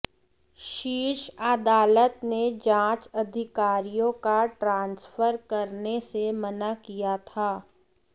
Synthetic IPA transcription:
ʃiːʃaːd̪aːlət̪ned͡ʒãːt͡ʃɐd̪ʱɪkaːɾijõkaʈɾãːnsfəɾkɐɾnesemɐnakijat̪ʰaː

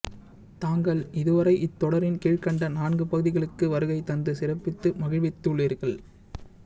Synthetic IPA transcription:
t̪aːŋɡɐɭɪðɯʋɐɾɐɪʔɪt̪ːɔɽɐɾɪnkeːɻkɐɳɖɐnaːɳɡɯpɐɣɯðɪɣɐɭɯkːɯʋɐɾɯɣɐɪt̪ːɐnd̪ɯsɪrɐpːɪt̪ːɯmɐɣɪʋɛt̪ːɯɭːiɾɣɐɭ

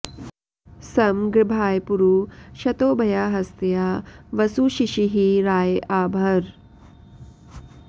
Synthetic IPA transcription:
sɐmɡɾibʱaːjpuɾuʃɐt̪oːbʱɐjaːɦɐst̪jaːʋɐsuʃiʃiɦiɾaːjaːbʱɐɾ

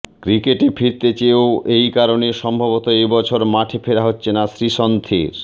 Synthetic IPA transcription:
kɾikeʈefiɾt̪et͡ɕeoejkaɾoneʃɔmbʱabot̪oejbɔt͡ɕʰoɾmaʈʰefʰeɾaɦotːɕʰenasɾiʃont̪ʰiɾ

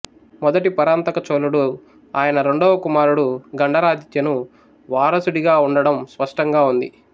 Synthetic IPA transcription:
mɔd̪ɐʈipɐɾaːnt̪ɐkɐt͡ʃoːluɽu | aːjɐnɐɾe̞ɳɖoːʋɐkumaːɾuɽuɡɐɳɖɐɾaːd͡ʒit̪jɐnu | ʋaːɾɐsuɽiɡaːuɳɖɐɽɐmspɐʂʈɐŋɡaːund̪i

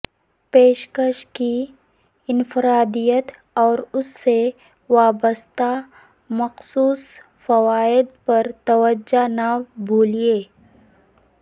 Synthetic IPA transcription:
peːʃkəʃki | ɪnfɪɾaːd̪ijət̪ | ɔːɾʊsːe | ʋaːbəst̪a | mɐqsuːs | fɐwaːɪd̪pɐɾt̪ɐwəd͡ʒanabʱoːlieː

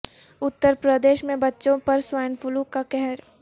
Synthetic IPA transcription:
ʊt̪ːəɾpɾəd̪eːʃmẽbɐtːʃõpɐɾswaːjənfʰʊlukakɛɦɛɾ

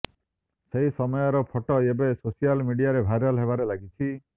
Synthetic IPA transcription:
seɦisɔmɔjɔɾɔpʰɔʈɔebesosijalmiɖijaɾebʱajɾɔlɦeβaɾelaɡit͡ʃʰi

